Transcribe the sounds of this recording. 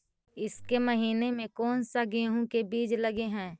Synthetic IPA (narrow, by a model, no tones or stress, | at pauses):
ɪskeməɦiːnemẽkɔːnsaɡeːɦũkebiːd͡ʒləɡeɦɛ̃ː